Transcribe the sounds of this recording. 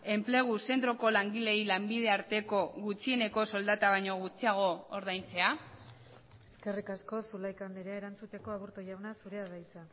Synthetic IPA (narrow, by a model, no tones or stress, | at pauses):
e̞mple̞ɣ̞use̞nt̪ɾo̞ko̞laŋɡile̞ilambiðe̞aɾt̪e̞ko̞ɣut͡sie̞ne̞ko̞so̞ld̪at̪aβ̞ajɲo̞ɣ̞ut͡siaɣ̞o̞oɾð̞ajnt͡se̞a | eske̞rikasko̞sulajkand̪eɾeaeɾant͡sut̪e̞ko̞aβuɾt̪ojawnasuɾeaðajt͡sa